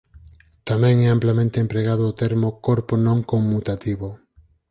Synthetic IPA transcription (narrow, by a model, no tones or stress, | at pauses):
t̪amɛ̃ŋɛamplamẽnt̪eempɾeɣaðoot̪eɾmokoɾponõŋkommut̪at̪iβo